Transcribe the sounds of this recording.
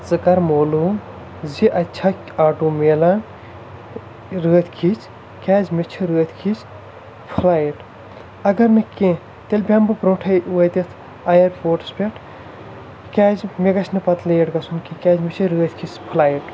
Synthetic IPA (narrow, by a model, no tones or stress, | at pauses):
zɨkɐɾmoːlu | ziʔɐt͡ʃʰakʲ | aːʈuːmeːlan | ɾəːt̪ʰkʰit͡sʰ | kʲaːzmet͡ʃʰiɾəːt̪ʰkʰit͡ʃ | pʰulaːjiʈ | ɐɡɐɾnɐkẽ | t̪elʲbʱʲambɨpɾõːʈʰɐjʋət̪ʲet̪ʰ | ajɐɾpoːʈspʲeʈʰ | kʲaːzmeɡɐt͡ʃʰnɨpɐt̪lɐjeʈɡɐsʰunkikʲaːzmet͡ʃʰiɾəːt̪ʰʲkʰispʰɨlaːjiʈ